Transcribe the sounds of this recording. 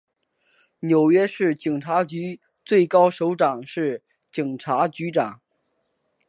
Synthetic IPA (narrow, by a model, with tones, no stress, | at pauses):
njo˨˩ʊɥɛ˥ʂɻ̩˥˩t͡ɕi˨˩ŋʈ͡ʂʰa˧˥t͡ɕy˧˥ | t͡swe˥˩ɪkɑ˥ʊʂo˧˥ʊʈ͡ʂɑ˨˩ŋʂɻ̩˥˩ | t͡ɕi˨˩ŋʈ͡ʂʰa˧˥t͡ɕy˧˥ʈ͡ʂɑ˨˩˦ŋ